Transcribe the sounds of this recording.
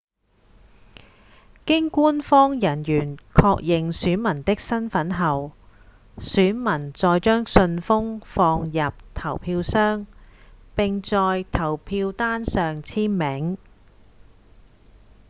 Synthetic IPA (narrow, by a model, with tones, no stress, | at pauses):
kɪ˥ŋkuː˥nfɔː˥ŋjɐ˨˩njyː˨˩nkʰɔː˧k̚jɪ˨ŋsyː˨˥nmɐ˨˩nt̪ɪ˥k̚sɐ˥nfɐ˨˥nɦɐ˨w | syː˨˥nmɐ˨˩nt͡sɔː˨jt͡ʃœː˥ŋsɵ˧nfʊ˥ŋfɔː˧ŋjɐ˨p̚t̪ʰɐ˨˩wpʰiː˧wsœː˥ŋpɪ˨ŋt͡sɔː˨jt̪ʰɐ˨˩wpʰiː˧wt̪aː˥nsœː˨ŋt͡sʰiː˥nmɪ˨˥ŋ